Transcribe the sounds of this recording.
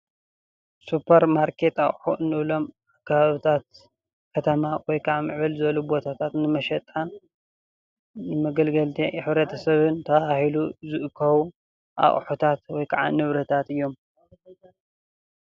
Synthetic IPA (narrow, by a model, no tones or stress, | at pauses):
supʰɐɾmaɾkʰe̞t̪a̰χʼħuʔɨnːɨβlo̞m | akʰːaβaβit̪ʰat̪̚ | kʰɐt̪ʰɐmawɔjkʰaʕamɨʕβɨlzɨβɐlubo̞t̪ʰat̪ʰat̪nɨmɐʃɐt̪ʼan | nɨmɐɡɐlɡɐlt̪ʰiħɨβɾɐt̪ʰɐsɐβɨnt̪ʰɐβahiluzɨʔɨkʰːɐwu | ʔa̰χʼħut̪ʰat̪wɔjkʰaʕa̰nɨβɾɐt̪ʰat̪ɨjːo̞m